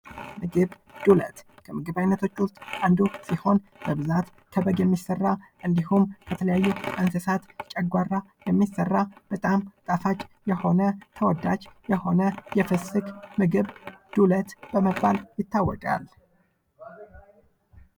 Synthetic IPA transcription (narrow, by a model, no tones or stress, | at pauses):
mɨɡɨβ | d̪̥ulə̰t̪kʰəmɨɡɨβajnət̪ʰo̞t͡ʃːʊst̪ʼʔand̪usiho̞nb̥əbɨzat̪ | k̪ʰəbəɡjɛmːisːərːaʔɨnd̪ihumkʰət̪ʰələjajːuʔʼansəsat̪t͡ʃʼɛɡʷarːa | jɛmːisərːab̥ət̪ʼamt̪ʼafat͡ʃʼːjɛho̞nət̪ʰəwɔd̪ːat͡ʃjɛho̞nəjɛfɨsɨkmɨɡɨβd̪̥ulət̪b̥əməbːaljɪt̪ʰːawːɔkʼa̰l